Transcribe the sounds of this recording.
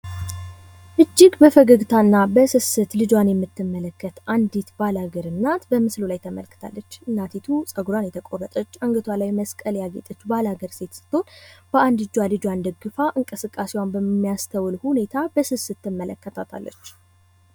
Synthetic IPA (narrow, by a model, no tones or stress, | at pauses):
ʔɨd͡ʒːɪɡbəfəɡəɡt̪ʰanːabəsɨsɨt̪lɨd͡ʒwanjɛmːɨt̪ːɨmːələkːət̪ʔand̪it̪balhaɡəɾɨnːat̪bəmɨslulajt̪ʰəmə̰lkɨt̪ʰa̰lːət͡ʃːɨnːat̪ʰit̪ʰusʼəɡɾwanjɛt̪ʰəkʼorət̪ʼət͡ʃːaŋɡət̪ʰwalajməskʼəljaɡet̪ʼət͡ʃːbalhaɡəɾse̞t̪sɨ̥t̪ːo̞nb̥əʔand̪ɨd͡ʒwalɨd͡ʒwand̪əɡɨfaʔɨŋkʼɨsɨkʼːasewanbəmːijast̪ʰəwlhune̞t̪ʰabəsɨsɨt̪ːɨmːələkːət̪ʰat̪ʰa̰lːə̰t͡ʃː